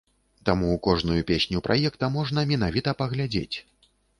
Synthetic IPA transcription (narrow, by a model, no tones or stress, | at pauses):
t̪amuːkɔʐnujupʲesʲnʲupɾʔa̰jɛkt̪ɐmɔʐnɐmʲɛn̪avʲit̪ɐpɐɣlʲad͡zʲḛt͡sʲ